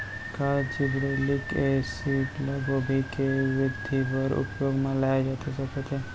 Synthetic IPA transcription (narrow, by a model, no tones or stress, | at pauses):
kald͡ʒɪbɽelikesiːʈləɡobʱikeʋɪd̪ʱipəɾʊ̰pjoːɡmẽlaːed͡ʒaːt̪ʰesɐkət̪ʰe